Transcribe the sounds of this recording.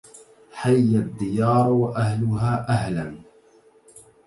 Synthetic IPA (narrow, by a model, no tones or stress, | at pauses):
ħajːad̪ːɪjɑːɾˤwaʔahlʊɦaːʔahlan